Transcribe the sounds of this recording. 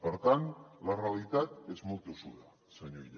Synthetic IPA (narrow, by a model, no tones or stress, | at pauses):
boɾt̪anlaralit̪at̪ezmut̪usuða̰ | saɲojʎa